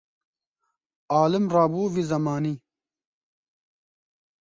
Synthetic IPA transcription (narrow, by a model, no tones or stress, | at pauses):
aːlɪmraːbuːvizɐmaːni